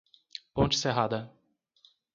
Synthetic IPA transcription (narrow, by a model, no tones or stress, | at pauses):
põt͡ʃɪ̥seɦad̪ɐ